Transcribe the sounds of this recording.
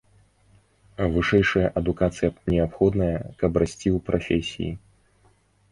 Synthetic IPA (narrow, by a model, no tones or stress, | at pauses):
vɨʂɛjʂɐjɐʔɐd̪ukat̪sɨjɐnʲɛapxɔd̪nɐjɐkɐprasʲt͡sʲiwpɾʔafʲesʲḭjḭ